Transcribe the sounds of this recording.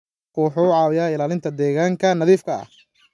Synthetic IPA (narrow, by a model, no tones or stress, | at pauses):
quːħʊːʊʕɑːwɪjaːɪlaːlɪnt̪ʰɐd̪ɛːɣaːŋkʰɐnɐðiːfkʰɐɐ̰h